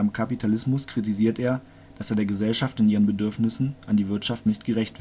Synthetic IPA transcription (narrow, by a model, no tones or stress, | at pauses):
amkʰapitʰalɪsmʊskʁ̥itiziːɐtʔeːɐ | d̥aseːɐdeːɐɡəzɛlʃaftɪnʔiːʁənbədʏɐfnɪsn̩ʔandiːvɪɐtʃaftnɪçtɡ̥əʁɛçtv̥ɪ